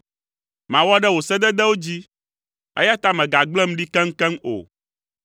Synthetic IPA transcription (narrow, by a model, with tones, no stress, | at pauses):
mã˨wɔ˦ɖɛ˦wo˨sɛ˦d̪ɛ˦d̪ɛ˦wo˦d͡ʑi˦ | ɛ̰˦ja˦t̪a˦mɛ̃˨ɡa˨ɡ͡blɛ˦m̩˦ɖi˦kɛ˦ŋ̩˦kɛ˦ŋo̰˨